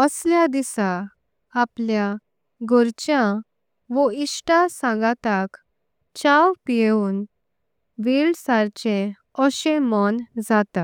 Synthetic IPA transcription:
əsljad̪isaː | plja | ɡʱɔɾt͡ɕjã | ʋɔiɕʈasãɡat̪ak | t͡ɕawpijeuːn | ʋilsaɾt͡ɕẽ | ɔɕẽmɔnd͡zat̪a

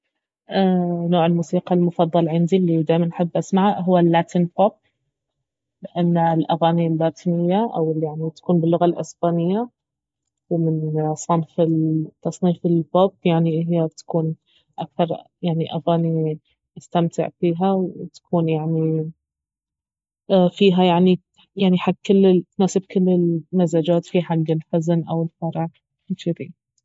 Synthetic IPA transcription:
ʔaːnoːʕɪlmuːsiːqɑlmʊfɑðˤːɑlʕɪnd̪ilːid̪aːjmanħɪbːʔasmaʕaɦʊwːalːaːt̪ʰinpʰop̚ | lɪʔanːalʔaɣaːnilbaːt̪ʰɪnɪjːaʔawɪljaʕnit̪ḁkuːnbɪlːʊɣalʔɪ̰sb̥aːnɪjːa | wmɪnsˤɑnfɪt̪ːɑsˤniːfɪlpopjaʕniʔɦjːat̪ḁkuːn | ʔak̚θɑɾˤjaʕniʔafaːni | ʔast̪amt̪ɪ̰ʕfiːɦawt̪ḁkʰuːnjaʕni | fiːɦajaʕni | jaʕniħaɡkɪlːɪt̪naːsɪb̚kɪlːɪlmazaːd͡ʒaːt̪fiħaɡːɪlħʊzanʔawɪlfɑɾˤɑʕ | t͡ʃɪd̪ḭ

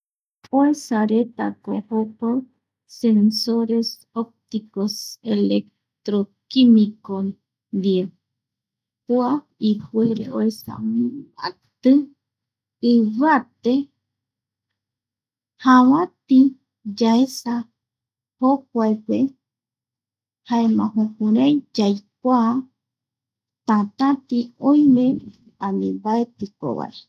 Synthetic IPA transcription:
oesaɾet̪akohopo | sensoɾes | op̚t̪ikoselek | t̪ɾokimikon | d̪ie | pua | ihʷweɾeoesa̰mma̰t̪ɨ | βat̪e | hawãt̪i | d͡ʒaesa | hokʷaepe | haemãɦõkuɾãjd͡ʒajkʷa | t̪ãt̪ãt̪iõj̃mẽ | ãnĩbaet̪iko̰βa̰e

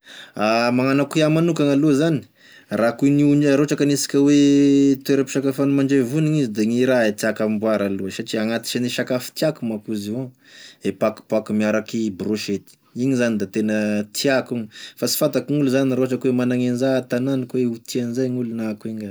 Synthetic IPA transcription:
amaŋanakuiamanukaŋaluəzani̥ | rakuniunɾoaʈ͡ʂakanisi̥kʲəwet̪ueɾapi̥ʃakafanimaɳɖ͡ʐevuniŋizid̪eŋiɾaet̪iakambuaɾaluəsat͡ʃiaŋat̪i̥t͡ʃaniʃakafi̥t̪iakumakuzio | epaku̥pakumiaɾakibroʃet̪i̥iɲizanid̪at̪enət̪ʰiakuɲifasi̥fant̪akiŋuluzaniɾoɦaʈ͡ʂakwemanaŋenzat̪ananikweut̪ianzajŋulunakuiŋɡa

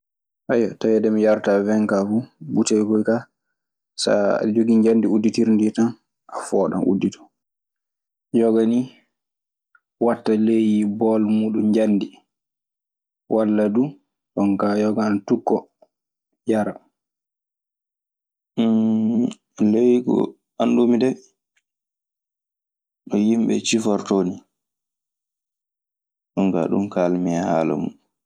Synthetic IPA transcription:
ʔajːɔtajɛdɛmijaɾtavɛŋkafubutajkɔjka | sa̰d͡ʒoɡiɲd͡ʒandiudːitiɾnditan | ʔafɔːɗɔ̰nṵdːitɔ̥ | jɔɡani | watːalejibɔlmuɗund͡ʒandi | wʔalːadu | ɗɔŋkajɔɡantukːɔ | jaɾa | lejiɡɔ̰ | andumidɛ | ɗɔjimɓɛt͡ʃifaɾtoːni | ɗɔŋka̰ɗumkalmiahaːla̰mṵ

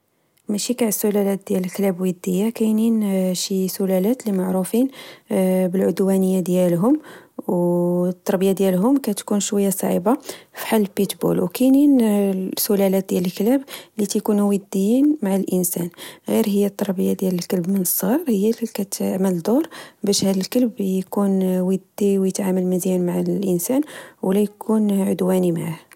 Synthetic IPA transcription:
mæʃikaʕəsːʊlælæt̪̚d̪jæləlklæbwəd̪ːəjːakæjninʃisʊlælæt̪limaʕɾufin | bəlʕʊd̪wænəjːad̪jælɦʊmwt̪ˤːɑɾˤbəjad̪jælɦʊmkæt̪kunʃwæjːasˤɑ̰ʕḭbafi̥ħalːbit̪bṵlwkæjninsʊlælæt̪̚d̪jæləlklæblit̪ækunuwəd̪ːijinmaʕalʔənsænɣiɾɦəjːæt̪ˤːɑɾˤbəjad̪jæləlkəlbmənəsˤːɑɾˤhəjːælkæt̪ʕməld̪oɾbæʃhæd̪əlkəlbjkunwəd̪ːiwjət̪ʕaməlməzjænmaʕalʔənsænwlæjkunʕʊd̪wænimaʕah

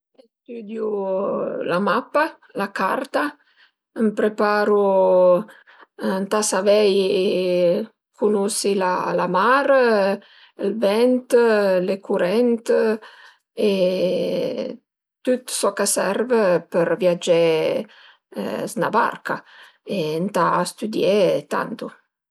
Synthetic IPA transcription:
est̪yd̪ju | lamapːa | laka̰rt̪a | mpɾepaːɾu | nt̪asavɛj | kʰunusila̰lamaɾ | lvɛnt̪lekuɾɛnt̪ | e | t̪ut̪sɔkasɛrvəpəɾvjad͡ʒe | zna̰ba̰rka̰ | ent̪aːst̪yd̪jet̪a̰nt̪u

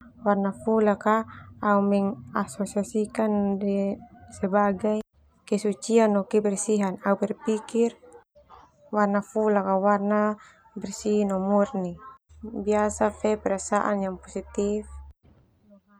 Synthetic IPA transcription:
warnafulakaːumɛŋasosiasikandɛsɛbaɡaj | kɛsut͡ʃianɔkɛbɛrsiɦanaupɛrpikir | warnafulakawarna | bɛrsinɔmurnibiasafɛpɛɾasaʔa̰njaŋpɔsit̪if

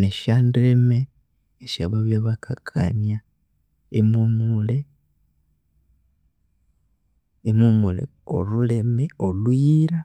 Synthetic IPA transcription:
neʃandɾemeː | ʃaβaβjaβakʰakʰa̰nja | emumule | mumulḛ | olule̞meolwjiɾa

